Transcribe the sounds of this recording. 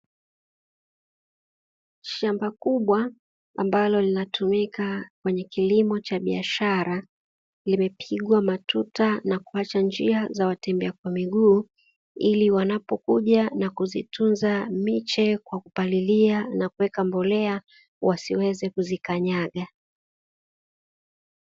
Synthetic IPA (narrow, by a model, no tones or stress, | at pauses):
ʃambakuɓwa̰ː | mbalɔlinatʰumikakwɛɲɛkilimɔt͡ʃaɓia̰ʃaɾa | limɛpʰiɠwamatʰutanakuat͡ʃand͡ʒiazawatɛmbɛakwamiɠuː | iliwanapɔkuʄanakuzitʰunzamit͡ʃɛkwakupalilianakuwɛkambɔlɛa | wasiwɛzɛkuzikaɲaɠa